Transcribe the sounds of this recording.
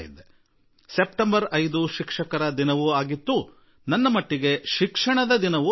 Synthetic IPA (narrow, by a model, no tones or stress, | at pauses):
jid̪ːe | sepʈɐmbɐɾɐjd̪uʃikʂɐkɐɾɐd̪inɐʋuaːɡit̪ːu | nɐnːɐmɐʈːiɡe̞ʃikʂɐɳɐd̪ɐd̪inɐʋu